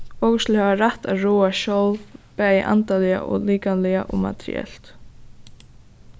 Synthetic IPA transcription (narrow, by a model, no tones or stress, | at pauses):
ɔkəst̪lhɛvaɾaht̪aɾuːaʃɔwlvpɛːjɪʔa̰nt̪alɪja̰ʔɔ̰liːkanlɛaʔɔma̰t̪ɾɪ̰ɛ̰l̥t̪